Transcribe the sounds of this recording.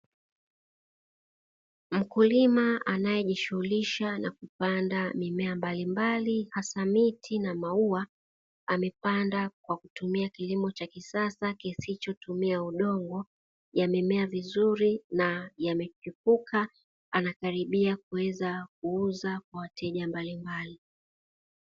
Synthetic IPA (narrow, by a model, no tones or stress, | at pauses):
m̩kulimaanajɛʄiʃuhuliʃanakupandamimɛambalimbalihasamitʰinamaua | amɛpandakwakutumiakilimɔt͡ʃakisasakisit͡ʃɔtumiauɗɔŋɡɔ | jamɛmɛavizuɾinajamɛkipukʰa | anakaɾiɓiak̚uwɛzak̚uuzak̚wawatʰɛʄambalimbali